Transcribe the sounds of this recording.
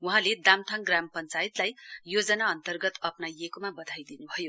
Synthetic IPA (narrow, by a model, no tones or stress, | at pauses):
uɦãled̪amt̪ʰʌŋɡrampʌnt͡sajit̪lajjod͡zʌnaʌnt̪ʌrɡʌt̪ʌpnajekomabʌd̪ʱajd̪inubʱʌjo